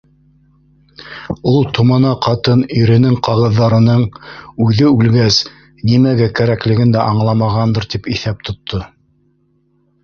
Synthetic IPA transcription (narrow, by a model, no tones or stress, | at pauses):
ulˠt̪ʰŏmɑnɑqɑt̪ɤniɾɘ̆nɘŋqɑʁɤ̆ðːɑɾɤ̆nɤɴʉðɘʉlɡæs | nimæɡækæɾæklɘ̆ɡɘnd̪æʔɑɴlˠɑmɑʁɑnd̪ɤɾt̪ipiθæp̚t̪ŏt̪ʰːo